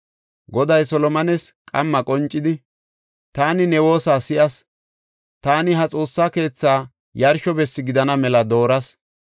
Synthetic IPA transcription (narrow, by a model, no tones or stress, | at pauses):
ɡɔd̪ɐjsɔlɔmɐnɛskʼɐ̰mːɐkʼɔnt͡ʃʼːɪd̪ɪ | t̪aːnɪnɛwo̞ːsaːsɪʔɐs | t̪aːnɪɦɐt͡sʼo̞ːsːaːke̞ːt͡sːaː | jɐɾʃɔbɛsːɪɡɪd̪ɐnɐmɛlɐd̪o̞ːɾɐs